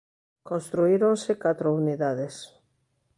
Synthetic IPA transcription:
kõnst̪ɾuiɾonsekat̪ɾouniðaðes

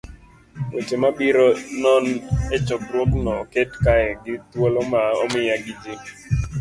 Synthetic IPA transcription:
wet͡ʃemabiɾɔnɔnet͡ʃɔkɾwɔknɔketkaɛɡɪtwolɔmaɔmɪjaɡid͡ʒe

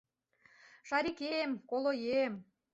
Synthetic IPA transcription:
ʃɑɾikemkolojem

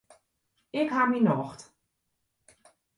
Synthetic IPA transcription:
ɪkɦaminɔxt

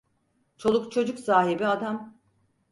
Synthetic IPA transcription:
t͡ʃʰo̞lˠukt͡ʃʰo̞d͡ʒuksaːɦibiad̪am

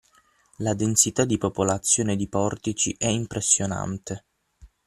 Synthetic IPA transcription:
lad̪ensit̪ad̪ipopolat̪sːjoːned̪ipɔrt̪it͡ʃḭʔɛimpɾesːjona̰nt̪e

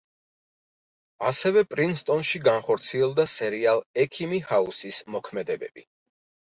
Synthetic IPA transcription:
asɛvɛpʼɾinst̪ʼɔnʃiɡanχɔɾt̪sʰiɛlˠd̪asɛɾialˠɛkʰimihausismɔkʰmɛd̪ɛbɛ̰bi

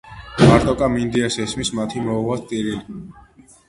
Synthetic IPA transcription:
maɾt̪ʼɔkʼamind̪iasɛsmismat̪ʰimɔuʁwast̪ʼiɾili

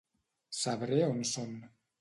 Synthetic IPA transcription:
saβɾeonson

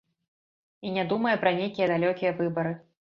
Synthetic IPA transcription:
inʲad̪umɐjɛpɾɐnʲejkʲijɐd̪alʲɔkʲijɐvɨbɐɾɨ

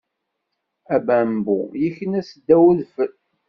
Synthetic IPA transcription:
æbæmbṵjiçənæsəd̪ːæwəðfəl

